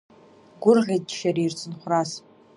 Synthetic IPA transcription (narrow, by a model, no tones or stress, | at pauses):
ɡʷʊrʁʲedʃaɾiirt͡sʰɨnχʷras